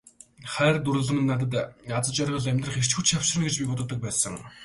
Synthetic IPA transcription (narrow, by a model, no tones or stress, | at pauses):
χæːrt̪uɾɵ̆ɮə̆mɘ̆nːat̪̬ə̆t̪jat͡sə̆t͡ɕarʁə̆ɮæmʲt̪rə̆χer̥t͡ɕxut͡ɕʰjaw̥ʃɪ̆rə̆nɡet͡ɕpʲikɔt̪ə̆t̪ə̆k̚pæːsə̰̆ŋ